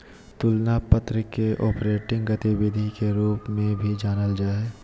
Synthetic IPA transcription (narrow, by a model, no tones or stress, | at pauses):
t̪ʊlnapət̪ɾəkeʔɔːpɾeːʈɪ̃ŋɡɡɐt̪ibeːd̪ʱikeɾuːpmẽbʱid͡ʒaːnəld͡ʒaːe